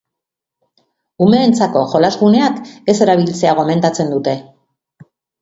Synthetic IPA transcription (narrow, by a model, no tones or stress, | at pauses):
ume̞ːnt͡sako̞ʝo̞lazɣune̞ake̞se̞ɾaβ̞ilt͡se̞aɣ̞o̞me̞nt̪at͡se̞nd̪ut̪e̞